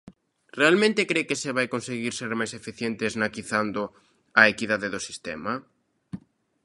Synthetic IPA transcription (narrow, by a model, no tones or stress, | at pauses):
realmẽnt̪ɪkɾekeseβajkonseɣiɾseɾmajsefiθjent̪eznakiθand̪ʊ | aekiðaðeðosi̥st̪ɛ̰ma